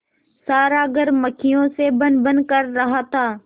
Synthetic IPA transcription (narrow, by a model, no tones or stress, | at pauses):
saːɾaːɡəɾməkʰɪjõːsebə̃nbə̃nkəɾːɐɦaːt̪ʰaː